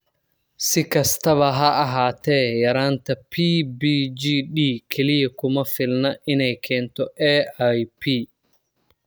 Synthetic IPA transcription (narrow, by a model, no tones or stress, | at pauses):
sɪkʰɐst̪ʰɐβɐɦɐʔɐɦaːt̪ʰɛːjɐɾaːnt̪ʰɐpʰiːbiːd͡ʒiːɗiːkʰɛlɪjɐkʊmɐfɪlnɐʔɪnɛjkʰɛːnt̪ʰɔʔɛːajpʰiː